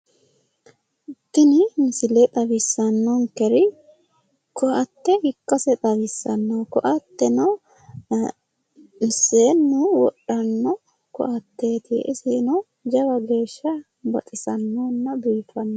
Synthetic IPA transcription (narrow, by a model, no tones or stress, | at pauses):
ɪt̪ːɪnɪmɪsɪlet̪ʼɐbɪsːɐnːɔŋkɛɾɪ | kɔʔɐt̪ːɛhɪkːɐsɛt̪ʼɐbɪsːɐnːokɔʔɐt̪ːɛnɔ | mɪseːnːuwɔ̰ɗɐnːɔ | kɔ̰ʔɐt̪ːe̞ːt̪ʰiʔɪsenɔ | d͡ʒɐwɐɡe̞ːʃːɐ | bɐ̰t̪ʼɪsɐnːoːnːɐbiːfɐnːɔ